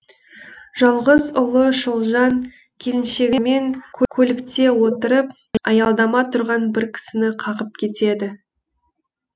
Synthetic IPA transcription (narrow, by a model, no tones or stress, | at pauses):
ʒ̥ɑlˠʁəzʊlˠəʃolˠʒɑŋ | kʲʰe̞lɪnʃe̞ɡʲɪme̞ŋkʲʰɵkʲʰɵlɪkt̪e̞wo̞t̪əɾəp̚ | ɑjɑlˠd̪ɑmɑt̪ʰʊɾʁɑnbɪɾkʲʰɪ̥sɪnɪqʰɑʁəp̚kʲʰe̞t̪e̞d̪ɪ